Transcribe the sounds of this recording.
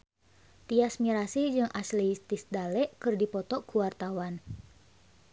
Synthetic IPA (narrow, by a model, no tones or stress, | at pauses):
t̪iasmiɾasid͡ʒɨŋʔaslɛist̪isdalɛʔkɨrdipɔt̪ɔkuwart̪awan